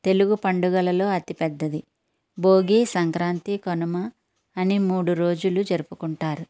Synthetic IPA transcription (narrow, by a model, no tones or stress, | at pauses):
t̪e̞luɡupɐɳɖuɡɐlɐlo̞ːɐt̪ipɛd̪ːɐd̪i | bo̞ːɡiːsɐŋkɾaːnt̪ikonɐmɐ | ɐnimuːɽuɾoːd͡ʒulud͡ʒɐɾupukuɳʈaːɾu